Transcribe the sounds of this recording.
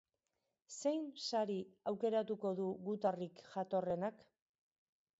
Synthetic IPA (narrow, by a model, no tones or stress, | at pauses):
se̞jnsaɾiawke̞ɾat̪uko̞ðuɣut̪arikʝat̪o̞re̞nak